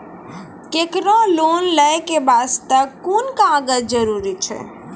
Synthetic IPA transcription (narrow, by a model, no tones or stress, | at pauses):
kekɾɔ̃lonləjkebast̪əkːonkããɡət̪d͡ʒəɾuɾit͡ʃʰɛ̰